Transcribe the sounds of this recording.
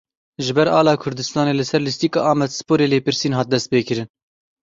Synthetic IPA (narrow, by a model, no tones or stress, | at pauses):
ʒɪbɛɾɑːlɑːkʰʊɾd̪ɨst̪ɑːneːlɨsɛɾlɪst̪iːkɑːʔɑːmɛd̪sɨ̥poːɾeːleːpɨɾsiːnɦɑːt̪̚d̪ɛst̪̚peːkɨɾɨn